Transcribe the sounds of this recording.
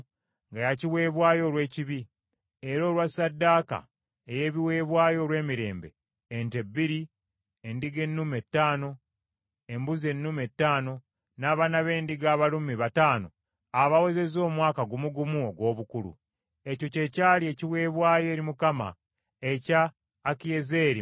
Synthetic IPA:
ŋɡajaciwe̞ːβwaːjo̞ːlwe̞ːciβi | e̞ɾo̞ːlwasadːaːka̰ | eje̞βiwe̞ːβwaːjo̞ːɾwe̞ːmiɾe̞̰ːmbe̞̰ː | nte̞bːiɾi | endiɡe̞nːume̞tːaːno̞ | embuze̞nːume̞tːaːno̞ | naːβanaβe̞ːndiɡaːβalumiβataːno̞ | aβawe̞ze̞zo̞ːmwaːkaɡumuɡumuoɡo̞ːβukulṵ | e̞co̞ce̞caːlie̞ciwe̞ːβwaːje̞ːɾimukama̰ | e̞caː | kije̞zeːɾi

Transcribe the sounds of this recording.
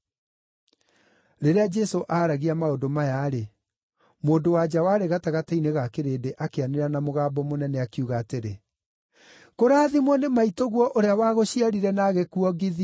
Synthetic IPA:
ɾeɾead͡ʒɛsoʔaːɾaɣiamaodomajaɾe | moːndowad͡ʑawaɾeɣataɣataineɣakeɾeːdeʔakeaneɾanamoɣaːbɔmonɛnɛakiuɣaːteɾe | koɾaðimwɔnemaitoɣwɔʔoɾeawaːɣoɕiaɾiɾɛnaɣekuɔɡiði

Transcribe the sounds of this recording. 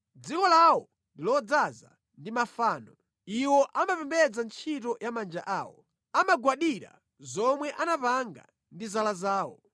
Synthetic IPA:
d͡zikɔlawɔ | ndilɔd͡zaza̰ | ndimafaːnɔ | iwɔʔamapɛmbɛd͡zant͡ʃʰitɔjamand͡ʒaʔaːwɔ | amaɡwaɗiɾa̰ | zɔmwɛʔanapaŋɡa̰ | ndizalazaːwɔ

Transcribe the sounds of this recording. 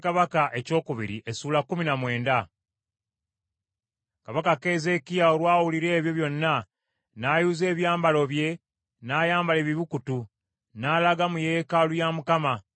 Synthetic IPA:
kaβakaʔe̞co̞ːkuβḭɾḭʔe̞suːlakːuminamwe̞ːnda | kaβakake̞ze̞kijao̞lwaːwuliɾe̞ːβjo̞βjo̞nːa | najuːze̞ːβjaːmbalo̞βje̞ | naːjaːmbale̞βiβukutu | nalaɡamuje̞ːkalujamukama

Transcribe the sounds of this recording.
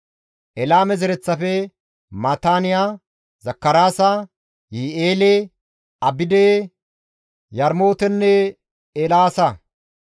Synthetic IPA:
ʔɛlaːmɛzɛɾɛt͡sːɐfɛ | mat̪aːnɪja | zɐkːɐɾaːsɐ | jieːle | ɐbɪd̪eː | jɐɾmo̞ːt̪ɛnːɛ | elaːsɐ

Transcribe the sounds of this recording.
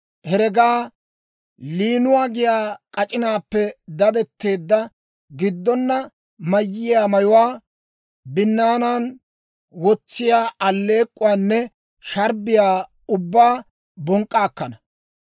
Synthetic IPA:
hɛɾɛɡaː | liːnʊwaːɡɪjaːkʼɐt͡ʃʼɪnaːpːɛd̪ɐd̪ɛt̪ːe̞ːd̪ːɐ | ɡɪd̪ːɔnːɐ | mɐjːɪjaːmɐjʊwaː | bɪnːaːnaːn | wɔt͡sːɪjaːɐlːeːkʼːʊwaːnːɛ | ʃɐɾbɪjaː | ʊbːaː | bɔŋkʼːaːkːɐnɐ

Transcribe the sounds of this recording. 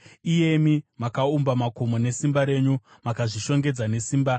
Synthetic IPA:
ije̞mimakaumbamako̞mo̞ne̞simbaɾe̞ːɲu | makaʐiʃo̞ŋɡe̞d͡zane̞siːmba

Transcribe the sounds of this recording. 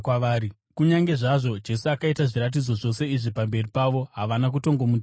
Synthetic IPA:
aʋaːɾi | kuɲaŋɡe̞ʐaʐo̞d͡ʒe̞suakaitaʐiɾat̬id͡zo̞ʐo̞se̞iʐipambe̞ripaʋo̞ɦaʋanak̬uto̞ŋɡomud

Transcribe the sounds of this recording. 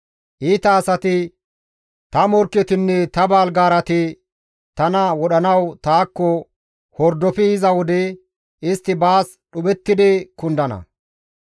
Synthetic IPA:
ʔiːt̪ɐːsɐt̪ɪ | t̪ɐmɔɾkːɛt̪ɪnːɛt̪ɐbaːlɡaːɾɐt̪ɪ | t̪ɐnɐwɔɗɐnɐwt̪aːkːɔ | hɔɾd̪ɔfɪɪzɐwɔd̪ɛ | ɪst̪ːɪbaːs | ɗʊbɛt̪ːɪd̪ɪkʊnd̪ɐnɐ̰

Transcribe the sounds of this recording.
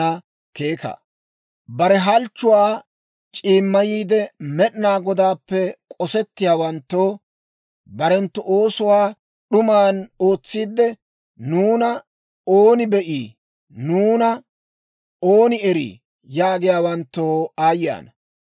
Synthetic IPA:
ɐ | ke̞ːkɐ̰ | bɐɾɛɦɐlt͡ʃːʊwaː | t͡ʃʼiːmːɐjiːd̪ɛmɛɗɪnaːɡɔd̪aːpːɛkʼɔsɛt̪ːɪjaːwɐnt̪ːoː | bɐɾɛnt̪ːʊʔo̞ːsʊwaː | ɗʊmaːnoːt͡sːiːd̪ːɛ | nuːnɐ | oːnɪbɛʔiː | nuːnɐ | oːnɪɛɾḭː | jaːɡɪjaːwɐnt̪ːoːaːja̰ːnɐ

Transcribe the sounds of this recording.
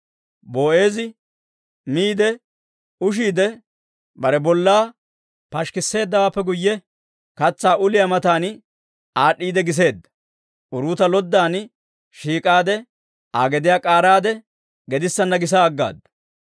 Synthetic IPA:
bo̞ːʔe̞ːzɪ | miːd̪ɛ | ʊʃ̬iːd̪ɛ | bɐɾɛbɔlːaː | pɐʃkɪsːe̞ːd̪ːɐwaːpːɛɡʊjːɛ | kɐt͡sːaːʔʊlɪjɐmɐt̪aːn | aːɗːiːd̪ɛɡɪs̬e̞ːd̪ːɐ | ʔʊɾuːt̪ɐlɔd̪ːaːn | ʃiːkʼaːd̪ɛ | aːɡɛd̪ɪjaːkʼaːɾaːd̪ɛ | ɡɛd̪ɪsːɐnːɐɡɪs̬aːɡːa̰ːd̪ɐ̥

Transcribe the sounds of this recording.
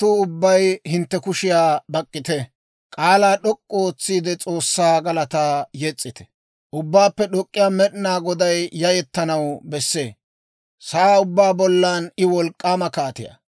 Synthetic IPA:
t̪ʊʊbːɐjhɪnt̪ːɛkʊʃɪjaːbɐkʼːɪt̪ɛ | kʼaːlaːɗɔkʼːɔoːt͡sːiːd̪ɛt͡sʼo̞ːsːaːɡɐlɐt̪aːjɛt͡sʼːɪt̪ɛ̥ | ʔʊbːaːpːɛɗɔkʼːɪjaːmɛɗɪnaːɡɔd̪ɐjːɐjɛt̪ːɐnɐwbɛsːeː | saaʊbːaːbɔlːaːnɪwɔlkʼːaːmɐkaːt̪ɪ̰jɐ̰

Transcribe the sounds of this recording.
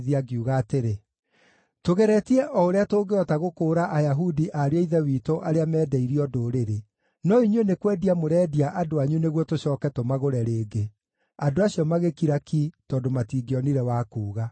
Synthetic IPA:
ðiaɡiuɣaːteɾe | toɣeɾɛtiɛʔɔoɾeatoːɡeɔtaɣokoːɾaʔajaɦudiʔaɾeaiðɛwiːtoʔaɾeamɛːdɛiɾiɔdoːɾeɾe | nɔiɲwenekwɛdiamoɾɛːdiaʔadoaɲuneɣwɔtoɕɔːkɛtomaɣoɾɛɾeːɡe | adoaɕiɔmaɣekiɾakitɔːndomatiːɡeɔniɾɛwaːkuːɣa

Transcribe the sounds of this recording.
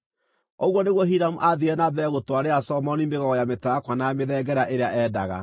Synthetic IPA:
ɔɣwɔneɣwɔɦiɾamuʔaðiɛnabɛɣotwaɾeasɔmɔnimbeɣɔɣɔjametaakwanameðɛɡɛɾaʔeɾeaʔɛːda̰ɣa̰

